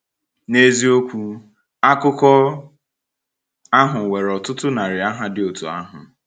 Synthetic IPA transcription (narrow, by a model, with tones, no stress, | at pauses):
ne˦zi˦o˦kʷu˦ | a˦kʊ˦kɔ˦ | a˦ɦʊ˨we˨ɾɔ˨tʊ˦tʊ˦na˨ɾɪ˨a˦ɦa˦dɪ˦o˨tṵ˨a̰˦ɦʊ˨